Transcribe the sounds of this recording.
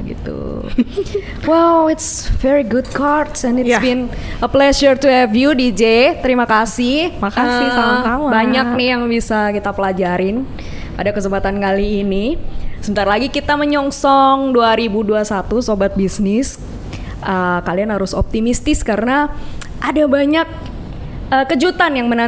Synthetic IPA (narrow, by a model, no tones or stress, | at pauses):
ɡḭt̪ṵ | wɛwɪts | fɛɹiɡʊd̚kʰart̪sɛnɪtbinəplɛʃərt̪uɛvjudid͡ʒet̪əɾimakasɪhakaəɪaambaɲak̚nɪhjaŋbisakit̪apəlad͡ʒaɾɪn | padakəsəmpat̪ankaliːnisəbənt̪aɾalaɡikit̪aməɲɔŋsɔŋduaɾibuduasat̪usobat̪̚bisnɪs | ʔəkalianhaɾʊsɔ̰p̚t̪imist̪ɪskaɾəna | ʔadabaɲak̚ | əkəd͡ʒut̪anjaŋməna